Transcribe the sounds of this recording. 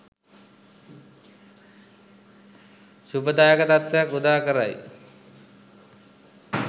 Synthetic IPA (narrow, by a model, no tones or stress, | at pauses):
supəd̪aːjəkət̪at̪ʋejakud̪aːkəɾa̰j